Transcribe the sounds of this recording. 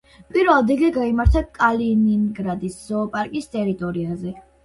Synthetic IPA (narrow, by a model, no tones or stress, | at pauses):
pʼiɾvɛlˠd̪iɡɛɡaimaɾt̪ʰakʼalininɡɾad̪isz̥ɔːpʼaɾkʼist̪ʼɛɾit̪ʼɔɾiazɛ